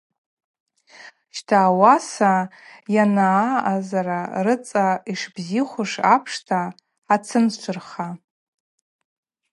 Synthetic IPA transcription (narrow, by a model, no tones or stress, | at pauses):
ʃtʰaːwasajanaːazaɾarɨt͡sʼaiʂbziχʷʊʂapʰʂtʰaː | t͡sʰɨnt͡ʃʷʰʊrχa